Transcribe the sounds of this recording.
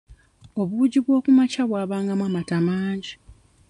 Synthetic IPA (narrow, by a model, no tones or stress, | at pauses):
o̞βuuɟiβwo̞ːkumacaβwaːβaːŋɡamwamatamaːɲɟi